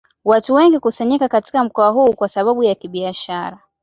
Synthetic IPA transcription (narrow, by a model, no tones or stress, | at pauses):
watuwɛŋɡikusaɲikakati̥kam̩kɔaɦuːkwasaɓaɓujakiɓiaʃaɾa